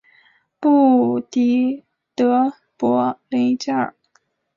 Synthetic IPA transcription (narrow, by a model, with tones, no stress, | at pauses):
pu˥˩t̪i˧˥ | t̪ɤ˧˥ | pwɔ˧˥le˧˥ŋt͡ɕa˥˩˨